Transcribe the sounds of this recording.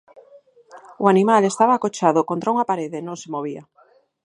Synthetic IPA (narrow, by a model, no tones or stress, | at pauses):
oanimalest̪aβakot͡ʃaðʊkont̪ɾauŋapaɾeðenõŋsemoβ̞ia